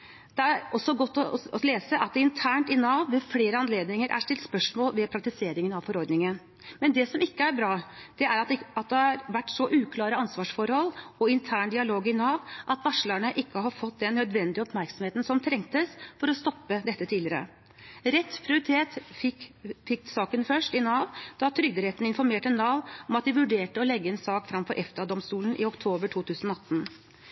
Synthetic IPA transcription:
d̪̥ɛæɾɔsːɔɡɔt̪ːɔɔleːsəʔɑt̪̚d̪ɛɪnt̪ʰæːɳʈɪnɑːʋːɛfleːɾəɑnleːd̪nɪŋəɾʔæ̰ʂʈɪlt̪spœʂmoːlʋɛpʰɾɑk̚t̪ɪseːɾɪŋənɑʋfɔɾɔɾd̪nɪŋən | mɛnd̪ɛsɔmɪkːəæɾbɾɑːd̪̥ɛæɾɑt̪̚d̪ɑt̪̚d̪ɛhɑɾʋæʈːsɔʔʉːkʰlɑːɾəɑnsʋɑːʂfɔɾhɔlːɔɪnt̪ʰæːɳd̪ɪɑloːɡɪnɑːʋʔɑt̪ʋɑʂləɳəʔɪkːəɦɑɾfɔt̪ːd̪ɛnːœd̪ʋɛnd̪ɪəɔpmæɾksɔmheːt̪ən̩sɔmt̪ʰɾɛŋt̪əsfɔɾɔst̪ɔpːəd̪ɛt̪ːət̪ʰiːlɪəɾə̰ | ɾɛt̪ːpʰɾɪʊɾɪt̪ʰeːt̪ | fɪkːsɑːkənfœʂʈɪnɑːʋd̪̥ɑt̪ʰɾʏɡd̪əɾɛt̪n̩ɪnfɔɾmeːʈəɛnːɑːʋɔmɑt̪̚d̪ɪʋʉɖeːʈəɔlɛɡːəɛnsɑːkfɾɑmfɔɾʔɛft̪ɑd̪ɔmst̪uːlən̩ʔɪ̰ɔkt̪ʰoːbəʈʰuːt̪ʰʉːsənɔɑt̪ːən

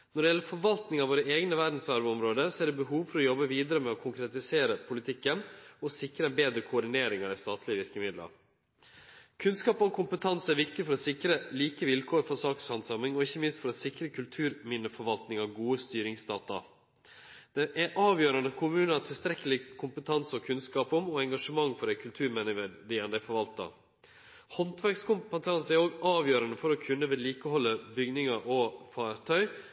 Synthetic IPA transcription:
nɔɖɛjɛlːəfɔɾʋɑlt̪nɪŋɑʋoːɾəeːɡnəʋæɖ̪n̩sɑɾʋɔmɾoːd̪əsɔæɖɛbəɦuːʋfɔɾɔjɔbːəʋiːd̪əɾəmɛɔkʰʊŋkɾɛt̪ɪseːɾəpʰʊlɪt̪ʰɪkːənɔsɪkɾəɛnbeːd̪ɾəkʰʊɔɖɪneːɾɪŋɑd̪ɛst̪ɑːt̪ʰlɪəʋɪɾkəmɪd̪lɑ̰ɾ | kʰʉnskɑːpɔkʰʊmpət̪ʰɑnsæɾʋɪkt̪ɪfɔɾɔsɪkɾəliːkəʋɪlkʰoːɾfɔsɑːkshɑnsɑmɪŋɔɪçːəmɪnst̪fɔɾɔsɪkɾəkʰʉlt̪ʰʉːɾmɪnːəfɔɾʋɑlt̪nɪŋɑʋɡuːəst̪yːɾɪŋsd̪ɑːt̪ɑ̰ | d̪̥ɛʔæʔɑːʋjøːɾɑnəkʰʊmʉːnɑt̪ʰɪlst̪ɾɛkəlɪkʰʊmpət̪ʰɑnsɔkʰʉnskɑːpɔmɔɛŋɡɑʂəmɑŋːfɔɾɛɪkʰʉlt̪ʰʉːɾmɛnɪʋəd̪ɪɛnd̪æɪfɔɾʋɑlt̪ɑ̰ | hɔnt̪ʰʋæɾkskʰʊmpət̪ʰɑnsæɾoːɡɑːʋjøːɾɑnəfɔɾɔkʰʉnːəʋɛːliːkəhɔlːəbʏɡnɪŋɑʔɔfɑːɾt̪ʰœʏ

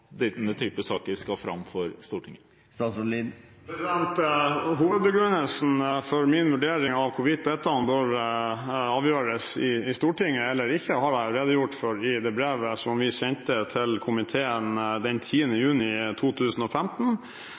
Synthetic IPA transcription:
d̪ɪt̪nət̪ʰyːpəsɑːkəɾskɑfɾɑ̰mfɔɾst̪uːʈʰɪŋːə | st̪ɑsli | pʰɾɛsɪd̪ɛnt̪ɦuːʋəd̪bəɡɾʉnəlsn̩fɔɾmɪnʋʉɖeːɾɪŋɑʋkʰʊʋɪt̪̚d̪ɛt̪ɑnbøːɾ | ɑːʋjøːɾəsɪɪst̪uːʈɪŋːəɛlːəɾɪçːəhɑɾæɪɑləɾeːd̪əjʊʈːføɾɪd̪ɛbɾeːʋəsɔmʋɪsɛɲt̪ət̪ʰɪlkʰʊmɪt̪ʰeːənd̪ɛnt̪ʰiːənəjʉːnɪt̪ʰuːt̪ʰʉːsən̩ɔfɛmt̪n̩

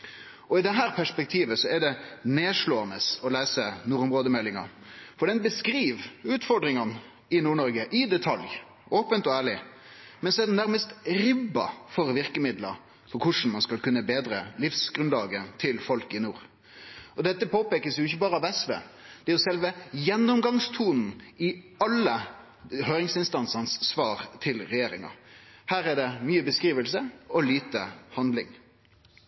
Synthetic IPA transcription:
ɔɪd̪ɛɦæːɾpʰæʂpɛk̚t̪ʰiːʋəsɔɛɖ̪ɛneːʂloːɑnəsɔlæːsənuːɾʊmʁoːd̪əmɛlːɪŋɑ̰ | fɔɖɛnbəskɾiːʋʉːt̪fɔɾɖ̪ɾɪŋɑn | ɪnuːɳɔɾɡəʔɪd̪ɛt̪ʰɑlj | oːpənt̪ɔæːɭɪ | mɛnsɔɛd̪ɛnːæɾməst̪ɾɪbːɑ̰fɔɾʋɪʁkəmɪd̪lə̰ɾ | fɔkʰʊʂn̩mɑnskɑlkʉnːəbeːd̪ɾəlɪfsɡʁʉnlɑːɡət̪ʰɪlfɔlkɪnuːɾ | ɔd̪ɛt̪ːəpʰoːpeːkəsjʊɪçəbɑːɾəɑʋɛsʋḛːd̪̥ɛæjʊsɛlʋəjɛnːʊmɡɑŋst̪ʰuːnn̩ɪɑlːə | høːɾɪŋsɪnst̪ɑnsɑnsːʋɑːɾt̪ʰɪlɾɛjeːɾɪ̰ŋɑ̰hæːɾæɖ̪ɛmyːəbəskɾiːʋəlsəɔliːt̪əhɑnd̪lɪ̰ŋ

